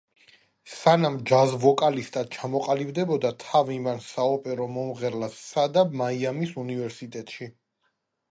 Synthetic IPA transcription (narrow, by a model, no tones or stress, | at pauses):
sanamd͡ʒazvɔkʼalist̪ʼad̪̥̚t͡ʃʰamɔqʼalibd̪ɛbɔd̪at̪ʰavimansaɔpʼɛɾɔmɔmʁɛɾlasːad̪amaiamisunivɛɾsit̪ʼɛt̪ʼʃi